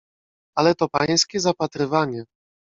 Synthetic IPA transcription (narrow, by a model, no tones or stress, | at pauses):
alɛt̪ɔpaj̃skʲɛzapat̪ɾɘvaɲɛ